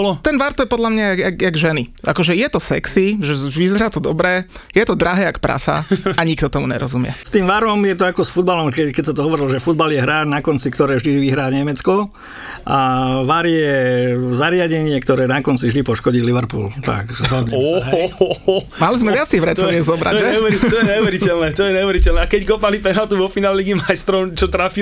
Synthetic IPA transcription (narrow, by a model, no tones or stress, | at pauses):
t̪ɛnʋaɾt̪ɔjɛpɔd̪ʎamɲaaakaɡʒɛnia̰kɔʒɛjɛt̪ɔsɛ̰ksiʒɛʋizɛɾat̪ɔd̪ɔbɾɛːjɛt̪ɔd̪ɾaɦɛːakpɾa̰sa̰aɲikt̪ɔt̪ɔmuɲɛ̰ɾɔzumɪɛ̰st̪iːmʋaɾɔmjɛt̪ɔakɔsfud̪balɔmkɛkɛcsat̪ɔɦɔʋɔɾilɔʒɛfud̪̚baljɛɦɾaːnakɔnt͡sikt̪ɔɾɛːvʒd̪iʋiɦɾaːɲɛmɛt͡skɔ | ʔaʋaɾjɛzaɾɪaɟɛɲɪɛkt̪ɔɾɛːnakɔnt͡sivʒd̪ipɔʃkɔɟiːliʋɛɾpṵːlt̪a̰kzɦɔd̪ɲɛɔ | malizmɛʋʋɪat͡siʋɾɛt̪ɔʋɪɛzɔbɾa̰ɔɛuʋɛɾit̪ɔjɛɲɛuʋɛɾicɛlnɛːt̪ɔjɛɲɛuʋɛɾicɛlnɛakɛckɔpalipɛnat̪uʋɔfinaːlɛliɡimajst̪ɾɔmt͡ʃɔt̪ɾafi